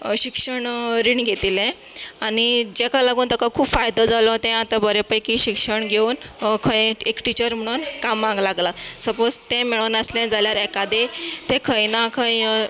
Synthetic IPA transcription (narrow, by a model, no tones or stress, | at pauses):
ɕikʂəɳɾiɳɡʱet̪ilɛ̃ | aɽ̃id͡ʑekajlaɡuːnt̪əkakʰuːpfajd̪ɔd͡zalɔt̪ẽat̪ãbəɾepəjkiɕikʂəɳɡʱeunkʰəjekʈit͡ɕəɾm̤əɽ̃uːnkamːãŋɡlaɡlasəpod͡zt̪ẽmiɭəʋnəslẽd͡zʱaljaɾɛkad̪et̪ẽkʰəjnakʰəj